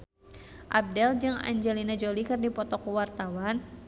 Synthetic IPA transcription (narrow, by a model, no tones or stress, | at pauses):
ʔab̚dɛld͡ʒɨŋa̰ɲd͡ʒɛlinad͡ʒolikɨrdipɔt̪ɔkuwart̪awan